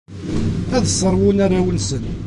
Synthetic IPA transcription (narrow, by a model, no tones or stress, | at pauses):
æðəsˤːəɾˤwunæɾæwənsən